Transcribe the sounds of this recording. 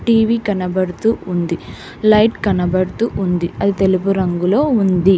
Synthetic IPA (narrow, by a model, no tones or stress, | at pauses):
ʈiːʋiːkɐnɐbɐɽut̪uːund̪i | lɐjʈkɐnɐbɐɽut̪uːʔund̪iɐd̪it̪elupuɾɐŋɡulo̞ːund̪i